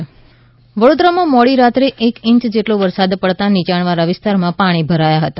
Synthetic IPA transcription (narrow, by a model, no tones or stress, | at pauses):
ʋəɽod̪ɾamãmɔɽiɾat̪ɾeʔekɪ̃ɲt͡ʃd͡ʒeʈloʋəɾsad̪pəɽt̪anit͡ʃaɳ̃ʋaɾaʋɪst̪aɾmãpaɽ̃ibʱəɾajaɦət̪a